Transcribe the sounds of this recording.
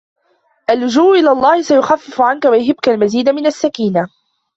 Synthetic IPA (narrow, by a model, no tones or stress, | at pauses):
ʔalːʊd͡ʒuːʔʔɪlaːlˤːɑːhɪsajʊxafːɪfʊʕankawajʊɦɪbkalmaziːd̪mɪnasːakiːna